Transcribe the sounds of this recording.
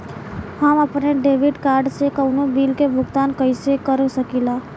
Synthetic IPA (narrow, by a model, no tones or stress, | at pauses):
haməpneɖeːʋiɖkaːɾɖsekəwnobiːlkebʱʊɡt̪aːnkəjsekəɾsəkilaː